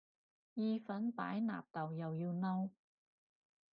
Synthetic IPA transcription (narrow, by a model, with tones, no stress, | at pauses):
jiː˧fɐ˨˥npa̰ː˨˥jna̰ː˨˩p̚t̪ɐ˨˩wjɐ˨wjiː˧wnɐ˧w